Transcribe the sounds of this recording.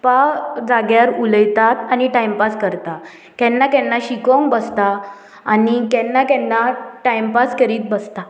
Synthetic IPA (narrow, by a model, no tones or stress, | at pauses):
pad͡zaɡjaɾuləjt̪at̪aniʈajmpaskəɾt̪a | kɛnːakɛnːaɕikõŋkbəst̪aː | nikɛ̃nːakɛnːaʈajmpaskəɾiːt̪̚bəst̪a